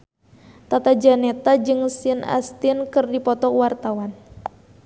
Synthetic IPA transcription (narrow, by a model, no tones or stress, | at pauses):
t̪at̪ad͡ʒanɛt̪ad͡ʒɨŋsəna̰st̪inkɨrdipɔt̪ɔkwart̪awan